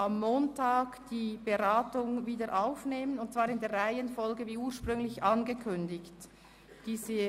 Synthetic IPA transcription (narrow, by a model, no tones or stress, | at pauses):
ʔamːoːntʰaːkd̥iːb̥eʁaːtʊŋviːdəʔaʊfneːmənʊnt̚t͡sv̥aːɾɪndeːɐʁaɪənfɔlɡəviːuːɐʃpʁʏŋlɪçanɡəkʰʏndɪçt | d̥iːzə